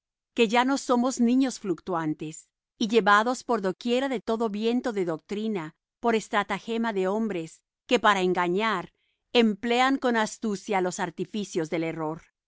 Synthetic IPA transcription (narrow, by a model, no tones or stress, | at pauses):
ke̞ʝano̞so̞mo̞znĩɲo̞sflukt̪want̪e̞s | iʝe̞βaðo̞spo̞ɾðo̞kje̞ɾaðe̞t̪o̞ðo̞βje̞nt̪o̞ðe̞ðok̚t̪ɾina | po̞ɾest̪ɾat̪axe̞maðe̞o̞mbɾe̞s | ke̞paɾaeŋɡaɲaɾ | emple̞aŋko̞nast̪usjalo̞saɾt̪ifisjo̞zðe̞le̞ro̞ɾ